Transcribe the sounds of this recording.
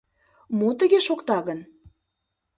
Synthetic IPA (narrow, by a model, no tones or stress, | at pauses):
mot̪əɣeʃokt̪ɑɣən